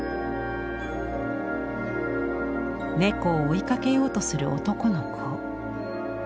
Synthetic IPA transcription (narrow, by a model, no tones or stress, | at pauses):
ne̞koːikake̞jo̞ːt̪o̞sɨɾɯ̟ʔo̰t̪o̞ko̞nokʰo